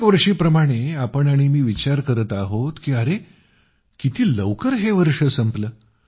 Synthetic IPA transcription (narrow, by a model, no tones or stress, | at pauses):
kʋəɾʂiːpɾəmaɽ̃eapəɳaɽ̃imiːʋit͡ɕaɾkəɾət̪aɦot̪kiːəɾe | kit̪ʰiːləʋkəɾɦeʋəɾʂəsəmpləː